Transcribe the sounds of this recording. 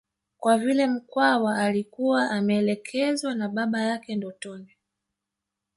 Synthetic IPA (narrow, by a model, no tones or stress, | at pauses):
kwavilɛm̩kwawaːlikuwaʔamɛːlɛkʰɛzwanaɓaɓajakɛndɔtɔni